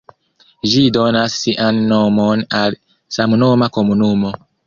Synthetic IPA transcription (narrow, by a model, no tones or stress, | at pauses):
ʒidonasːiʔanːomonal | samnomakomunumo